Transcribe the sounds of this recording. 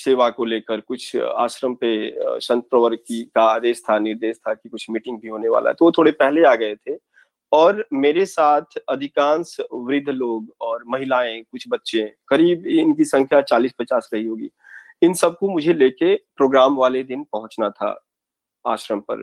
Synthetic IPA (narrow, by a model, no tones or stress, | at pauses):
seːʋakoleːkəɾkʊt͡ʃʰa̰ːʃɾəmpeʃɐ̃nt̪̚pɾəʋəɾkikaaːd̪eːʃt̪ʰanɪɾd̪eːʃt̪ʰakikʊt͡ʃʰmiːʈɪ̃ŋɡbʱiɦoːneʋa̰ːlʔa̰ɦɛ̰t̪oʋot̪ʰoːɽepɛɦleaːɡɐet̪ʰe | ɔːɾmeːɾesaːt̪ʰɐd̪ʱɪkãːnsʋɾɪd̪ʱːloːɡɔːɾmɐɦɪlaːẽkʊt͡ʃʰbɐtːʃẽkɐɾiːbɪnkisɐ̃ŋkʰjat͡ʃaːliːspɐt͡ʃaːsɾɐɦiɦoːɡḭː | ɪnsɐb̚komʊd͡ʒʱeleːkepɾoːɡɾaːmʋaːled̪ɪnpɐɦʊ̃t͡ʃnat̪ʰa̰ː | a̰ːʃɾəmpɐ̰ɾ